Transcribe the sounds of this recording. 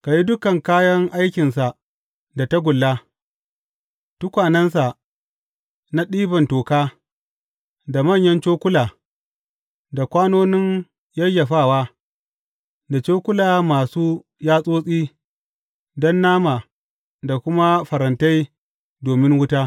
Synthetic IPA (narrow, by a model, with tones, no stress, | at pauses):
ka˨ji˦dʊ˦kɐ˨ŋkaː˦jɐ˦ŋʔa˦jkʲɪ˨nsa˨ | da˨ta˦ɡʷʊ˨lːa˦ | tʊ˦kʷaː˨nɐ˦ns̬a˨ | na˦ɗiː˦bɐ˨ntoː˨kaː˦ | da˨mɐ˦˨ɲjɐ˦nt͡ʃoː˦kʷʊ˦laː˨ | da˨kʷaː˦noː˦nɪ˦n | jɐ˦ja˨ɸaː˦˨waː˦ | da˨t͡ʃoː˦kʷʊ˦laː˨maː˨suː˦ | jaː˦sʼoː˦sʼiː˦ | dɔ˦nːaː˦maː˨ | da˨kʷʊ˦ma˦ɸɐ˨ɾɐ˨nta˦j | doː˨mɪ˦ŋwʊ˦taː˦